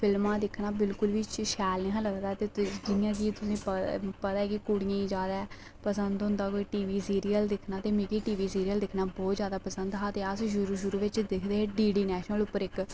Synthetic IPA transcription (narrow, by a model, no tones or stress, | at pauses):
pʰɪlmãːd̪ɪkʰnaːbɪlkʊlʋit͡ʃʃɛːlẽɦãːləɡd̪aːt̪eːd͡ʒɪjãːkiːt̪ʊsĩːppət̪aːɛːkɪkuɽɪjãːiːd͡ʒaːd̪aɛː | pəsənd̪ɦʊ̃nd̪aːkoːiːʈiːʋiːsiːɾijəld̪ɪkʰnaːt̪eːmẽːkiːʈiːʋiːsiːɾiəld̪ɪkʰnaːbɔːt̪zjaːd̪aːpəsənd̪ɦaːt̪eːəsʃʊɾuːʃʊɾuːʋɪt͡ʃd̪ɪkʰd̪eːɦeɖiːɖiːnɛːʃnəlʊpːəɾɪk